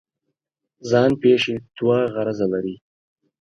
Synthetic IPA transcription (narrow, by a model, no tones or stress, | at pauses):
zɑːnpeːʃet̪uwɑːɣaɾazalaɾi